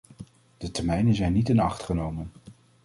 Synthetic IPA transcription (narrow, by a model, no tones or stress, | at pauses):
d̥ətɛɹmɛjnənzɛjnːitɪnɑχtχənowmən